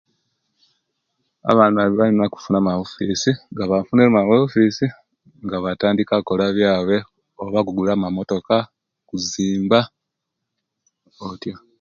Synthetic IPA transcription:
a̰βaːnβaβiβalinaku̥funamaβufisiŋɡaβafuneamaβefisi | ŋɡaβataːndikako̞laβjaːβe̞ | oβaɡuɡulaːmamo̞to̞ka | kuziːmba | otjo

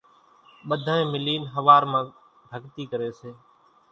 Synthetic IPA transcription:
ɓəd̪ʱãːẽːmɪliːnɦəʋaːɾmãː | bʱəɡt̪iːkəɾeːseː

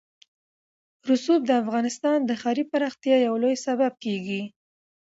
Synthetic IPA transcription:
ɾʊsub̚d̪əafɣɑnɪst̪ɑnd̪əxɑɾipaɾɑxt̪jɑjawlojsabab̚keɡi

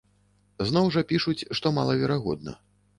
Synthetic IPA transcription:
znɔwʐɐpʲiʂut͡sʲʂt̪ɔma̰lˠɐvʲɛɾaɣɔ̰d̪̚nɐ̰

